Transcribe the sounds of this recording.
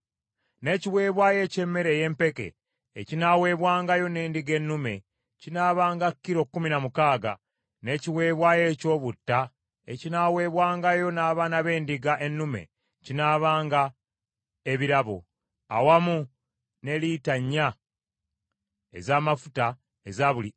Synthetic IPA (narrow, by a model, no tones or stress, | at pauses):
ne̞ːciwe̞ːβwaːje̞ce̞mːe̞ɾe̞je̞mpe̞ke̞̰ː | cinawe̞ːβwaːŋɡajo̞ne̞ːndiɡe̞nːume̞̰ | cinaːβaːŋɡakːiɾo̞kːuminamukaːɡa̰ | ne̞ciwe̞ːβwaːje̞ːco̞ːβutːa | ḛcinawe̞ːβwaːŋɡajo̞naːβaːnaβe̞ːndiɡaʔe̞nːume̞̰ | cinaːβaːŋɡa | eβiɾaβo̰ | a̰wamu | ne̞litaɲːa | ḛzaːmafu̥ta | ezaβuli